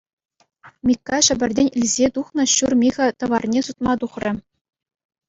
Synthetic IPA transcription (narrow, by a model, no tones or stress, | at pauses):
mʲikːɑʂɘ̆bʲɘ̆rʲdʲenʲɘ̆lʲzʲet̪uχnɤ̆ɕurmʲiʁʲɘ̆t̪ɤ̆ʋɑrnʲesut̪̚mɑt̪uχrʲɘ̆